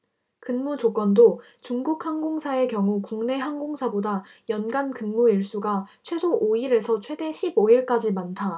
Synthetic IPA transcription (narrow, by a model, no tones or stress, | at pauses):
kɯnmud͡ʑok͈wʌndo | t͡ɕuŋɡuk̚haŋɡoŋsʰae̞kjʌŋukuŋne̞ɦaŋɡoŋsʰabodajʌnɡankɯnmuiɭs͈uɡat͡ɕʰwe̞sʰoʔoiɾe̞sʰʌt͡ɕʰwe̞de̞ɕʰiboiɭk͈ad͡ʑimantʰa